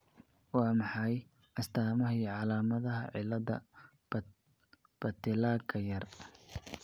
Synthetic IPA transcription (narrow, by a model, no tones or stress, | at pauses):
wɑːmɑħɑj | ʔɐst̪ʰaːmɐɦiʕɑlaːmɐðɐɦɐʕɪlːɐðɐ̰ | b̥ɐt̪ʰɪlaːkʰɐjɐr